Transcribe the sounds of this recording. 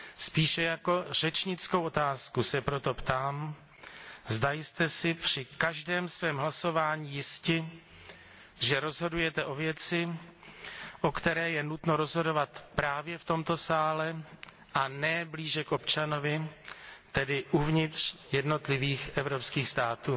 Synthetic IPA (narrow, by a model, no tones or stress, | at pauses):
spiːʃɛjako̞r̝ɛt͡ʃɲɪt͡sko̞wʔot̪aːskusɛpɾo̞t̪o̞pt̪aːm | zdajst̪ɛsɪpr̥ɪkaʒdɛːmsvɛːmɦlaso̞vaːɲiːjɪscɪ | ʒɛɾo̞zɦo̞dujɛt̪ɛʔo̞vjɛt͡sɪ | ʔo̞kt̪ɛɾɛːjɛnut̪no̞ɾo̞zɦo̞do̞vat̪pɾaːvjɛft̪o̞mt̪o̞saːlɛ | ʔanɛbliːʒɛkʔo̞pt͡ʃano̞vɪ | t̪ɛdɪʔuvɲɪt̪r̝̥jɛdno̞t̪lɪviːxʔɛvɾo̞pskiːxst̪aːt̪uː